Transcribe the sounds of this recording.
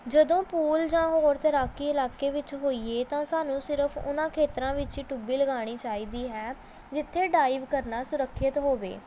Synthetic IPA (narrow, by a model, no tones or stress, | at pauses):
d͡ʒəd̪õːpuːld͡ʒãːɦoːɾt̪əɾaːkiːɪlaːkeːʋɪt͡ʃɦoːiːeːt̪ãːsaːnũːsɪɾəpʰʊ̰nãːkʰeːt̪əɾãːʋɪt͡ʃiːʈʊbiːləɡaːɽ̃iːt͡ʃaːiːd̪iːɦɛː | d͡ʒɪt̪ʰːeːɖaːɪʋkəɾnaːsʊɾəkʰːɪt̪ɦoːʋḛː